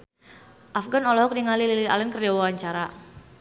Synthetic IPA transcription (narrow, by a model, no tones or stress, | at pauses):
ʔafɡanɔlɔɦɔk̚niŋalililia̰lɛnkərd͡ʒawawaɲt͡ʃaɾa